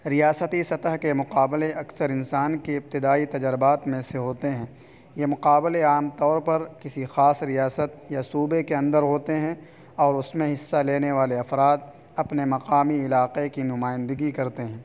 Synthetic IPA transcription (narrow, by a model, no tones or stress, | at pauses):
ɾijaːsət̪isɐt̪əɦkemʊqaːbleʔɐksəɾɪnsaːnkeɪp̚t̪ɪd̪aːit̪ɐd͡ʒɾɪbaːt̪mẽseɦoːt̪eɦɛ̃ː | jemʊqaːbɪleaːmt̪ɔːɾpɐɾkɪsixaːsɾijaːsət̪̚jasuːbekeɐ̃nd̪əɾɦoːt̪eɦɛ̃ | ɔːɾʊsmẽɦɪsːaleːneʋaːleɐfɾaːd̪̚ | ɐpnemɐqaːmiɪlaːqekinʊmaːjɪ̃nd̪əɡikɐɾt̪eɦɛ̃ː